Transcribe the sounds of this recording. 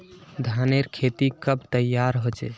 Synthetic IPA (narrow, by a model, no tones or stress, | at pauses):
d̪ʱaneɾkʰet̪ikəb̚t̪əjaɾɦot͡ʃɛ̰